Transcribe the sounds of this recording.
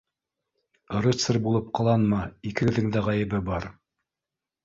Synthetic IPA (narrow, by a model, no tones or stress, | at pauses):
ɾɘt̪sɘrbulˠɤp̚qɑlˠɑnmɑikɘ̆ɡɘ̆ðɘŋd̪æʁɑjɘ̆βɘbɑɾ